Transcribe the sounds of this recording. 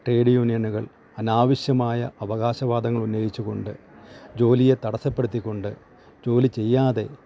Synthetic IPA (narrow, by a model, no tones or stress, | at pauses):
ʈreːɽjuːnijɐnuɣɐɭ | ɐnaːʋiɕjɐmaːjɐɐʋɐɣaːɕɐʋaːd̪ɐŋːɐɭunːeːjit͡ɕːuɣo̞ɳɖɨ | d͡ʑo̞ːlije̞t̪ɐɽɐsɐpːe̞ɽut̪ːikʲːo̞ɳɖɨ | d͡ʑo̞ːlit͡ɕe̞jːaːðe̞̰